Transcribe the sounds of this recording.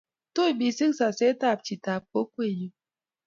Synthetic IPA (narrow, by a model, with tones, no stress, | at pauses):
to˦˨bi˨si˦ŋsa˨se˦ta˦˨p̚t͡ʃi˨ta˨p̚ko˦kʷe˦˨ju˦